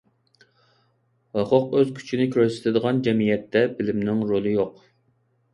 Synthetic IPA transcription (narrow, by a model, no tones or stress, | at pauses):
wɑqʰʊqøz̥kʲʰy̥t͡ʃʰinɪkʲʰyɾɛsɪ̥t̪ʰɪd̪əʁɑnd͡ʒɛmijɛt̪ʰːɛbɪlɪmnɪŋɾolˠɨjoq